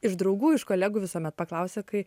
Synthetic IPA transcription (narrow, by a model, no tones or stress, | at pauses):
ɪʒd̪ɾɐʊɡuːɪʃkoːlʲæːɡuʋʲɪsoːmʲɛt̪̚pɐklˠɐʊsʲekɐɪ